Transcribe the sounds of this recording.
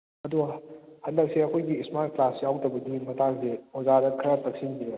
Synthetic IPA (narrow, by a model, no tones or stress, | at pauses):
ɐduɡɐhɐndɐk̚siɐkʰojɡiːsmaɾ̚klasijawtɐbɐdimɐtʰaŋsehozadɐkʰiɾɐtɐk̚sinbiɾe